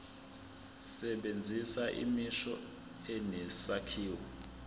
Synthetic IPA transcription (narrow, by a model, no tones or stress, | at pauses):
sɛɓend͡zʱisaʔḭmiʃɔ | ɛnɛsakʰiːwɔ